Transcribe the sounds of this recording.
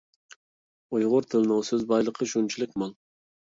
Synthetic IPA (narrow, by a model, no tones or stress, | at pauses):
ujʁʊɾt̪ʰɪlnɨŋsɪzbɑjlˠəqʰəʃunt͡ʃʰilˠɪk̚ʲmɑlˠ